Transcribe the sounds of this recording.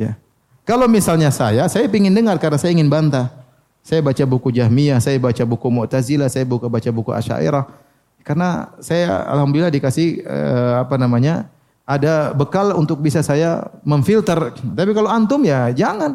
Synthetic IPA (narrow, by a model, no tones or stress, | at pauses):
ja̰ | kalowmisalɲasajasajapiŋɪndəŋarkarnasajaiŋɪnbant̪a | sajabat͡ʃabukud͡ʒaɦmiasajabat͡ʃabukumɔʔt̪azilasajabukubat͡ʃabukuʔa̰ʃa̰ʔḭɾah | karnasaja̰a̰lhamdʊilːahdikasɪhə̰apanamaɲa | adabəkalṵnt̪ʊk̚bisasajaməɱfilt̪ərt̪apikaloant̪ʊmjad͡ʒaŋan